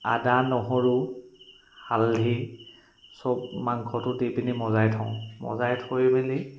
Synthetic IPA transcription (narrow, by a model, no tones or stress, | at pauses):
a̰danɔɦɔɹu | halʱi | sɔbmaŋkʰɔtʊtepinimɔzajtʰɔ̃ʊ̃mɔ̰zajtʰojbeli